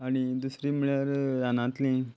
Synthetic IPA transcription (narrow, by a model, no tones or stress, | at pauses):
añid̪usɾimiɭjaɾjanãt̪lẽ